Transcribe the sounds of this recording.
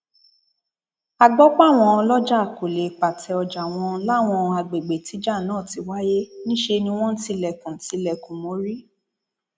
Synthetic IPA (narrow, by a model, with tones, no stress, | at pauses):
a˨ɡ͡bɔ˦k͡pa˦˨w̃ɔ̃˧˦lɔ˦d͡ʒa˦˨ko˨le˨k͡pa˨tɛ˧ɔ˧d͡ʒa˨w̃ɔ̃˧la˦˨w̃ɔ̃˧a˧ɡ͡be˨ɡ͡be˨ti˨˦d͡ʒa˦˨nãː˦˨ti˨˧˦wa˦je˦nĩ˦ʃe˧nĩ˧w̃ɔ̃˦n̩˦ti˧lɛ˨kũ˨ti˧˦lɛ˨kũ˨mo˨˦ɾi˦